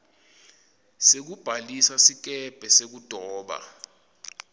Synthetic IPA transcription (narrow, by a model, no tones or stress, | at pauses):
sek̬ub̥ʱalisasik̬ɛb̥ʱɛsek̬ud̥ʱɔːɓa̰